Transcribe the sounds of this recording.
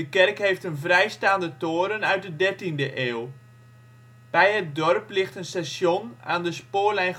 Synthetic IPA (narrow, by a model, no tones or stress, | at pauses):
əkɛrkɦeftənvrɛjstaːndətoːɾənœɥt̚dədɛrtindəʔeːlˠ | b̥ɛjɦət̚dɔrplɪxtənstasjona̰ːndəspoːlɛjn